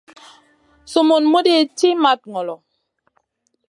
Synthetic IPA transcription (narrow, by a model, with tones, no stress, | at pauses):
so˨mo˨nmo˦de˦˨ti˦ma˦t̚ŋɔ˨lɔ˨